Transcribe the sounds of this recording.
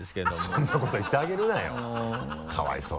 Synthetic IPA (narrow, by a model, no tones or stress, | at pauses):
sked̪sõnːako̞t̪o̞it̪ːeaɡe̞ɾɯ̟najo̰ | kʰa̰βa̰ḭso̰ː